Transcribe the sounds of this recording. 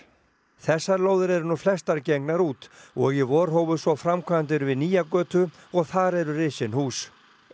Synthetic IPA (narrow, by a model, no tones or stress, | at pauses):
θɛsːaɾloːwðɪɾɛɾʏnuflɛst̪aɾceknaɾuːt̪ɔɣjɛvɔɾ̥ɦoːwvʏðsɔfɾamkʰaant̪̬ɪɾvɪðniːjakœːt̪ʏ | ɔɣθaɾɛɾʏrɪsɪnhuːs